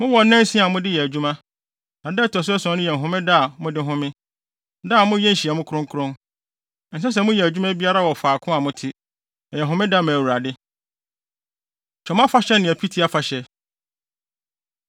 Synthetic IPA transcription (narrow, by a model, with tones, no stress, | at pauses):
mʊ̃˦wɔ˨nːɛ̃˦n˦sĩ˦a˨mʊ̃˦dɪ˦jɛ˨æ˨d͡ʑᶣu˦mã˦ | nã˨dɛ˦˨tʰɔ˨s̬ʊ˦ɛ˦sɔ̃˨˦nʊ̃˦jɛ˨n˨ɦʊ̃˦mɪ̃˦da˦a˨mʊ̃˦dɪ˦ɦʊ̃˦mɪ̃˦ | da˦˨mʊ̃˦jɛ˦n̩˨ɕi˨a˨mʊ̃˦kʰɾʊ̃˦ŋkʰʊ˦ɾʊ̃˦n˨ | n̩˨s̬ɛ˦s̬ɛ˦˨mʊ̃˦jɛ˨æ˨d͡ʑᶣu˦mã˦bi˦a˦ɾa˦wɔ˨faː˨kʰʊ̃˦a˨mʊ̃˦tʰɪ˦ | ɛ˨jɛ˨ɦʊ̃˦mɪ̃˦da˦˨mã˨æ˨wu˨ɾa˨dɪ˦ | t͡ɕʰɔ˨mã˦fa˦ɕɛ˦nɪ̃˨æ˨pʰi˦tʰi˦a˦fa˨ɕɛ˦